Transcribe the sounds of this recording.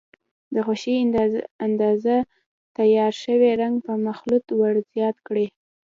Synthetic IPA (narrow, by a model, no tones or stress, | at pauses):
d̪əxoʃiand̪ɑza | t̪ajɑɾʃəweɾaŋɡpəmaxlut̪waɽzjɑt̪kɽi